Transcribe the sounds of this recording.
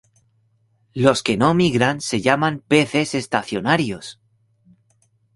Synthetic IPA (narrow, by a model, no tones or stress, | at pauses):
lo̞ske̞nomiɣɾanse̞ʝamampe̞θe̞se̞st̪aθjo̞naɾjos